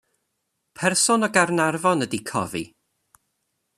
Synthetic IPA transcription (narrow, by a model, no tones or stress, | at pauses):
pʰɛrsʊnɔɡarnarvɔnədikʰɔ̰vḭ